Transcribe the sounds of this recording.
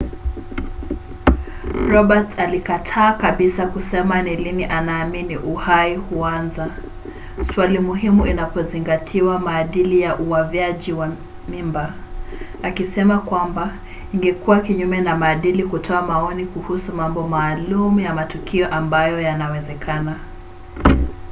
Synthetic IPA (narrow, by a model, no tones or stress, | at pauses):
ɾɔɓatsalikatʰaːkaɓisakusɛmaniliniʔanaːminiʔuhaihuanza | swalimuɦimuinapɔziŋɡatʰiwamaːɗilijaʔuwavjaʄiwa | mimbaː | kisɛmakwamba | iŋɡɛkuwakiɲumɛnamaːɗilikutʰɔamaɔnikuhusumambɔmaːlumujamatukiɔʔambajɔjanawɛzɛkʰana